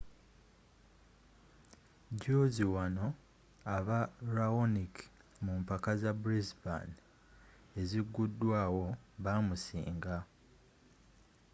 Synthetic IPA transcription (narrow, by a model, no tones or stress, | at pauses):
ɟoziwano̞ | aβaɾaonik | mumpakazabuɾizba̰n | e̞ziɡːudːwaːwo̞βaːmusḭːŋɡa